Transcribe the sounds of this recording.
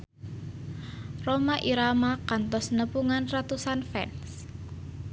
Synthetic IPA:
romaʔiɾamakant̪ɔsnəpuŋanrat̪usanfɛ̰ns

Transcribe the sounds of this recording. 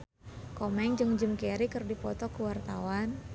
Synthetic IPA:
kɔmɛŋd͡ʒɨŋd͡ʒəmkeɾikɨrdipɔt̪ɔkuwart̪awan

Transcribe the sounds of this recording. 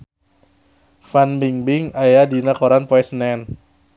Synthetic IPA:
fanbiŋbiŋajadinakoɾanpɔɛsnɛn

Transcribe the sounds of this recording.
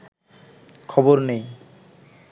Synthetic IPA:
kʰɔboɾnej

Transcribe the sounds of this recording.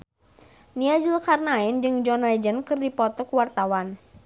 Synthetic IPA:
niad͡ʒəlkarnaɪnd͡ʒɨŋd͡ʒɔnlɛd͡ʒənkɨrdipɔt̪ɔkuwart̪awan

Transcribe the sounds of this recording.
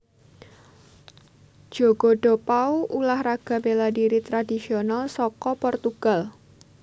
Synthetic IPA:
d̥ʒ̥oɡ̥o̤ɖ̥o̤pauʔulahraɡ̥ä̤beladiɾit̪ɾadisionalsɔkɔpɔrt̪uɡ̥a̤l

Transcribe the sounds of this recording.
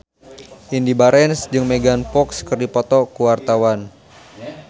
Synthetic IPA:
ʔindibaɾɛnsd͡ʒɨŋmeɡanfɔkskərdipɔt̪ɔkuwart̪awan

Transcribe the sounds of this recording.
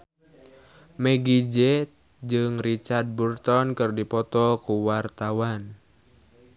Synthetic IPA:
mɛɡid͡ʒɛt̪ | d͡ʒɨŋrit͡ʃard̚burt̪ɔnkɨrdipɔt̪ɔkuwart̪awan

